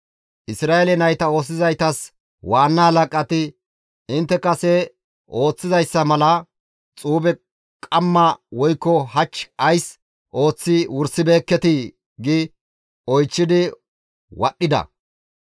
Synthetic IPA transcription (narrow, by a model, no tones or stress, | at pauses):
ʔɪsɾaːelɛnɐjt̪ɐo̞ːs̬ːɪzɐjt̪ɐs | waːnːɐhɐlɐkʼɐt̪ɪ | ɪnt̪ːɛkɐsɛ | ʔo̞ːt͡sːɪzɐjsːɐmɐlɐ | t͡sʼuːbɛ | kʼɐmːɐwɔjkːɔɦɐt͡ʃːɐjs | ʔo̞ːt͡sːɪwʊɾsɪbe̞ːkːɛt̪ɪ | ɡɪ | ɔjt͡ʃːɪd̪ɪ | wɐɗːɪd̪ɐ̰